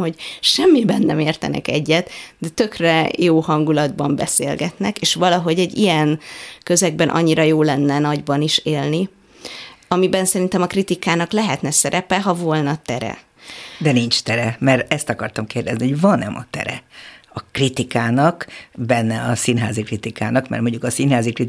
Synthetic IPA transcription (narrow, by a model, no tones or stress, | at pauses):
hocʃɛmːibɛnːɛmeːrt̪ɛ̰nʔɛ̰kɛɟːɛt̪d̪ɛt̪ø̞krɛjoːhɒŋɡulɒd̪bɒmbɛsḛːlɡɛt̪nɛkeːʃʋɒlɒɦo̞ɟɛɟːijɛnkø̞zɛɡ̚bɛnʔɒ̰ɲːiɾɒjoːlɛnːɛnɒɟbɒniʃeːlni | ɒmibɛnsɛɾint̪ɛmɒkrit̪ikaːnɒklɛɦɛt̪nɛsɛɾɛpɛɦɒvo̞lnɒt̪ɛɾɛ̰ | d̪ɛniɲt͡ʃt̪ɛɾɛmɛrɛst̪ɒkɒrt̪ɒmkeːrd̪ɛznihoɟvɒnɛmɒt̪ɛ̰ɾɛ̰ɒkrit̪ikaːnɒkbɛnːɛɒsinɦa̰ːzikrit̪ikaːnɒkmɛ̰rmoɲɟukɒsinɦaːzikri